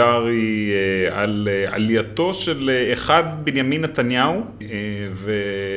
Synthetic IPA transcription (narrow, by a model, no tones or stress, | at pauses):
aʁiea̰lea̰ljat̪o̞ʃeleeχad̪benjaminːet̪anjau | eve